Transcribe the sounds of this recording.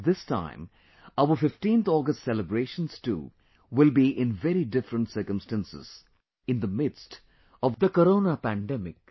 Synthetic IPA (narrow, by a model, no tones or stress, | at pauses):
d̪ɪstã̰ɪ̃m | aəfɪfʈĩnt̪ʰɔːɡəsʈsɛləbɾeːʃə̃nstṵː | ʋɪlbiʔɪ̃nʋɛɾiɖɪfɾə̃nɳʈsəɾkə̃msʈæ̃nsɪ̰z̥ | ɪ̃nd̪əmɪdst | ɔʋd̪əkəɾõːnapæ̃ɳɖɛmɪk̚